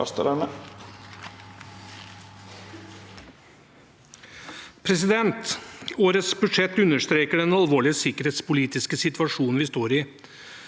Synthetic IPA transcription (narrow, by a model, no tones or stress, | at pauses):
ɑ̰st̪əɾæmə | pʰɾɛs̬ɪd̪ɛnt̪oːɾət̪sbʉd̪ʂɛt̪ːʉnːəʂt̪ɾeːkəɖɛnɑlʋoːɭɪəsɪkəɾheːt̪spʊliːt̪ɪskəsɪt̪ʋɑʂuːnn̩ʋɪst̪oːɾɪ